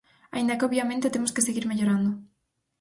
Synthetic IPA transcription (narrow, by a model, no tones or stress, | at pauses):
a̰ind̪akɪoβjamẽnt̪et̪emʊskeseɣiɾmeʎoɾand̪ʊ